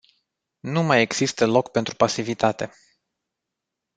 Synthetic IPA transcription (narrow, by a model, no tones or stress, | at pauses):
numaje̞ɡz̥ist̪əlo̞kpe̞nt̪ɾupasivit̪at̪e̞